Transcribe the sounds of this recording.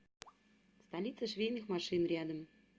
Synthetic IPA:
st̪ɑlʲit̪səʃvʲejnɨxmɑʂɨnɾʲæd̪ə̆m

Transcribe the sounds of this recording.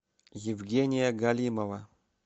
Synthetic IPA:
jɪvɡʲenʲɪjɐɡalʲimɐvɐ

